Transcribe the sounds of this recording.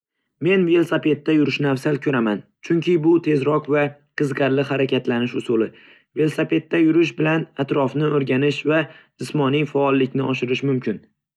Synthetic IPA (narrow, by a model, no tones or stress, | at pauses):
me̞nve̞lˠsape̞t̪ːajʊɾɪʃnafsalkʲʰɵɾamant͡ʃʰʊŋkʲʰɪbʊt̪ʰe̞zɾɒqvaqʰɨzqɑɾlɪhaɾakʲat̪lanɪʃʊsʊlˠɪ | ve̞lˠsape̞t̪ːajʊɾɪʃ̬bɪlanat̪ɾɒfnɪoɾɡʲanɪʃvad͡ʒ̪ɪsmɒnijfaːlˠːɪkʲnɪʔɒʃɪɾɪʃmʊmkʲʰɪn